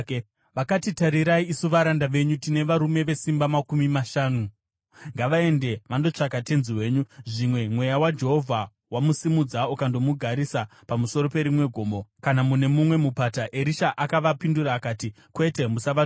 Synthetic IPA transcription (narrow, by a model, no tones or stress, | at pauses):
ʋakatitaɾiɾaiisuʋaɾandaʋe̞ɲutine̞ʋaɾume̞ʋe̞simbamakumimaʃaːnu | ŋɡaʋae̞nde̞ʋando̞t͡ʂakate̞nziwe̞ːɲuʐimwe̞mwe̞jawad͡ʒe̞ɦo̞vʱa | wamusimud͡zaukando̞muɡʱaɾisapamuso̞ɾo̞pe̞ɾimwe̞ɡʱo̞ːmo̞kanamune̞mumwe̞mupataʔeɾiʃaʔakaʋapinduɾaːkaːti | kwe̞te̞musaʋa